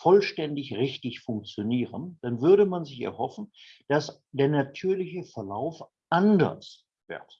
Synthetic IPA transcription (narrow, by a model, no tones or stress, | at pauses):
fɔlʃtɛndɪçʁɪçtɪçfʊŋk̚t͡sjoniːʁənd̥anvʏɐɾəmanzɪçɛ̰ɐhɔfn̩ | d̥as | d̥eːɐnatʰyːɐlɪçəfɛɐla̰ʊf | ʔandɐ̰s | v̥ɪ̰ɐt